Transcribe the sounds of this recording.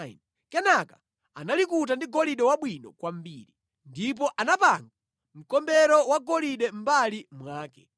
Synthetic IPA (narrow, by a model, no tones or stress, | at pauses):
n | kɛnaka | analikut̬andiɡɔliɗɛwaɓwinɔ̰kwam̩biːɾi | ndip̬ɔʔanapaŋɡa | m̩kɔmbɛɾɔwaɡɔliɗɛm̩balimwaːkɛ